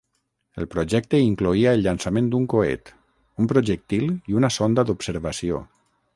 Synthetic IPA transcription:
əlˠpɾuʒɛk̚t̪əiŋkluiaəlʎansamẽnd̪uŋkoḛt̪ | umpɾoʒək̚t̪iliunasond̪ad̪upsəɾβasio̰

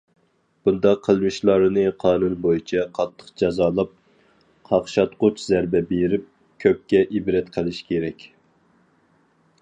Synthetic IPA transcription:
b̥und̪ɑqʰːəlˠmɨʃlˠɑɾɨnɨqʰɑːnunbojit͡ʃʰɛqʰɑt̪ʰːə̥qd͡ʒɑzɑːlˠɑp̚ | qʰɑχʃɑt̪qʊt͡ʃzæɾbɛbeɾɪp̚ | kʲʰøp̚kʲɛʔibɾɛt̪qʰəlˠɪʃi̥kʲʰeɾɛkʲ

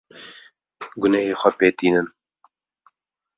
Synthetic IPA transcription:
ɡʊnɛjeːxʷɛpeːt̪iːnɨn

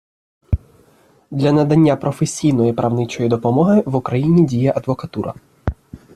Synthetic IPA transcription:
d̪lʲɐnɐd̪ɐnʲːapɾɔfesʲijn̪ɔjipɾɐwnɪt͡ʃɔjid̪ɔpɔmɔɦɪʋʊkɾɐjinʲidʲijɐʔɐd̪ʋɔkɐt̪uɾʔɐ̰

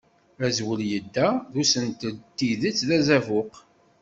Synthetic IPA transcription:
æzwəljəd̪ːæðusənt̪əlt̪ːiðət͡sːðæzævʊq

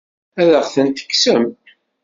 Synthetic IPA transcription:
æðəʁθənt̪ə̥kːsəm

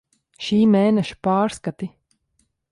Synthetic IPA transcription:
ʃiːmeːnɛʃu̥paːɾskat̪i

